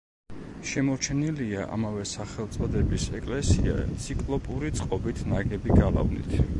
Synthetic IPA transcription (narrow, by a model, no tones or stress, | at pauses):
ʃɛmɔɾt͡ʃʰɛniliaʔa̰mavɛsaχɛlˠt̪sʼɔd̪ɛbisɛkʼlɛsia̰t̪sʰikʼlˠɔpʼuɾit̪sʼqʼɔbit̪ʰnaɡɛbiɡalˠa̰vnḭt̪ʰ